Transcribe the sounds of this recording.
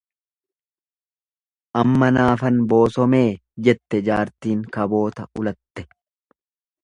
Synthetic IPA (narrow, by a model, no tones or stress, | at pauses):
ʔɐmːɐnaːfɐnbo̞ːsɔme̞ː | d͡ʒɛt̪ːɛd͡ʒaːɾt̪iːŋkɐbo̞ːt̪ɐʔʊlɐt̪ːɛ̥